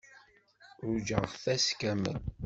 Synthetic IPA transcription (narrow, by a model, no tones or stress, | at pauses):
ʊɾd͡ʒəʁʁθæskæmə̰n